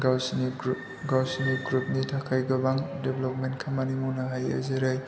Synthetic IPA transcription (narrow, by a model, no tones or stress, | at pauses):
ɡawsn | ɡawsiniɡɾup̚nitʰakʰajɡɐbaŋdeblop̚mentkʰamanimunɐɦajɐ̰zeɾaj